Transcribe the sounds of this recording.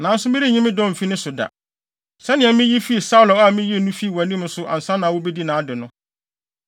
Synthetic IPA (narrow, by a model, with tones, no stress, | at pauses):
nã˨˦n̩˦sʊ˦mɪ̃˦ɾi˦˨ɲĩ˦mɪ̃˦dɔ̃˦˨m̩˨fi˦nɪ̃˦sʊ˨da̰˨ | sɛ˦nɪ̃˨ɛ̃˨˦mɪ̃˦ji˦fi˦˨sa˦ʊ˨lɔ˨˦a˦˨˦mɪ̃˦ji˦e˨nũ˦fi˦˨wa˨nĩ˦mn̩˦sʊ˦ʔa̰˨n̩˨sã˦nã˨wʊ˦be˦di˦nãː˨a˦dɪ˨nʊ̃˦